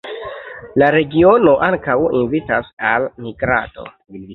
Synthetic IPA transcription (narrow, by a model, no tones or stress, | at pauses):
laɾe̞ɡio̞no̞ʔaŋkawinvitasalmiɡɾa̰to̞̰